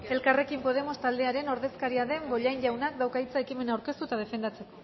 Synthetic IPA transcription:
e̞lkare̞kimpo̞ð̞e̞mo̞st̪ald̪e̞aɾe̞no̞ɾðe̞skaɾiaðe̞mbo̞ʎajɲʎawnak̚d̪awkait͡sae̞kime̞naːwɾke̞st̪ut̪að̞e̞fe̞nd̪at͡se̞ko

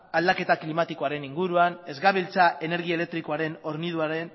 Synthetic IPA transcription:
ald̪ake̞t̪aklimat̪iko̞aɾe̞niŋɡuɾuane̞zɣaβilt͡saʔe̞ne̞ɾɣ̞ie̞le̞k̚t̪ɾikoaɾe̞no̞ɾniðuaɾe̞n

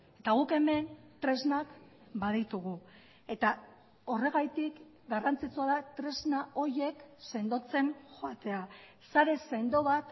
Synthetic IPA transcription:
e̞t̪aɣ̞uke̞me̞nt̪ɾe̞znak | baðit̪uɣ̞u | e̞t̪a | o̞re̞ɣ̞ajt̪ik | ɡarant͡sit͡suaðat̪ɾe̞znaʔo̞je̞kse̞nd̪o̞t͡se̞nʝoat̪e̞a | saɾe̞se̞nd̪o̞βat̪

